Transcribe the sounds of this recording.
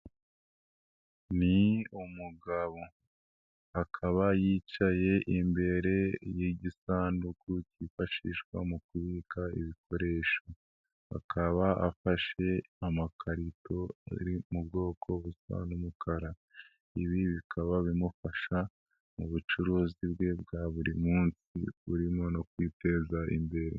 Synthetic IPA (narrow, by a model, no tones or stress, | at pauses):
niumuɡaβo | akʰaβajit͡ʃaje̞ʔimbe̞ɾe̞jeɟisaːndukʰucifaʃiːʃkwa̰mukuβiːkʰaḭβikʰo̞ɾe̞ʃo | a̰kʰaβaa̰faʃe̞amakʰaɾito̞a̰ɾimub̚ɡo̞ːkʰo̞βusa̰numukʰaɾa | iβiβikʰaβaβimufaʃa | muβut͡ʃuɾuːzibɡe̞bɡaːβuɾimuːnsḭβuɾimo̞nokwiːte̞zaḭmbe̞ɾḛ